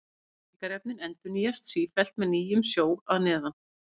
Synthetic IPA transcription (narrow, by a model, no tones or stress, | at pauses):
ɪkaɾɛp̚nɪnɛnt̪ʏniːjast̪siːfɛl̥t̪mɛðniːjʏmsjoːwaðnɛːða